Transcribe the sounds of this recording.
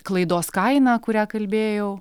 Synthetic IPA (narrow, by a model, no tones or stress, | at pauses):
klˠɐɪd̪oːskɐɪnɑːkʊɾʲæːkɐlʲbʲeːjɛʊ